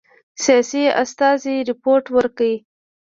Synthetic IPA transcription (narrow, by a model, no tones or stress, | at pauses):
sijɑsia̰st̪ɑziɾɪpoɾʈwəɾkawi